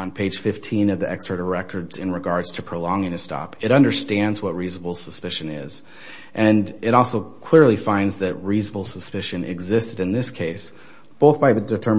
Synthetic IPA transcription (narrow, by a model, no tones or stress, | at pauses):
npʰeɪd̥ʒ̥fɪftʰĩnʌvðiʔɛkstɹəɾəɹɛkʰə˞dzɨ̃nɹɨɡɑɹdz̥tʰɨpʰɹ̥olɔ̃ŋɪ̃ŋɨstɑ̰pɨɾʌ̃ndə˞stæ̃ndzwʌt̚ɹiznəbl̩ˠsəspɪʃɨ̃nɪ̰z | ʔɨ̃nɨɾɔlˠsoʊkʰl̥ɪɹlˠifãɪ̃ndzðɨt̚ɹiznəbl̩ˠsəspɪʃɨ̃nʔɪ̰ɡzɪstɨɾɨ̃nðɪskʰeɪs | b̥oʊθb̥aɪðɨdɨtʰɜ˞